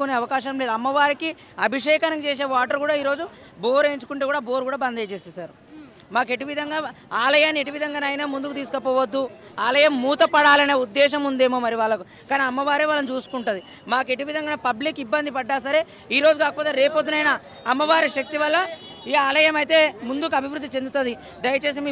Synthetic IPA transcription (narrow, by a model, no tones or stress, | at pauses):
kuneːɐʋɐkaːʃɐmleːd̪uɐmːɐʋaːɾiki | ɐbʱiʂɛːkɐnɐŋt͡ʃeːs̬e̞ːʋaːʈɐɾkuːɽaːiːɾo̞ːd͡ʒu | boːɾe̞ːɲt͡ʃu̥kuɳʈekuːɽaːboːɾkuːɽaːbɐnd̪ʱɐjt͡ʃeːst̪ːsaːɾu | maːke̞ʈiʋid̪ʱɐŋɡaːaːlɐjaːnːie̞ʈiʋid̪ʱɐŋɡaːnaːjnaːmund̪ukut̪̬iːsukɐpɔːʋɐd̪ːu | aːlɐjɐmːuːt̪ɐpɐɽaːlɐneːud̪ːɛːʃ̬ɐmund̪e̞ːmoːmɐɾiʋaːɭːɐku | kaːniɐmːɐʋaːɾeːʋaːlɐnut͡ʃuːsu̥kuɳʈund̪i | maːke̞ʈiʋid̪ʱɐŋɡanɐpɐblikːibːɐnd̪ʱipɐɖːaːs̬ɐɾe̞ː | iːɾo̞ːd͡ʒuɡaːkɐpoːt̪e̞ːɾeːpod̪unɐjna | ɐmːɐʋaːɾiʃɐk̚t̪iʋɐlːɐ | iːaːlɐjɐmɐjt̪e̞ːmund̪ukuɐbʱiʋɾud̪ːit͡ʃe̞nd̪ut̪ɐd̪i | d̪ɐjɐt͡ʃe̞ːs̬imi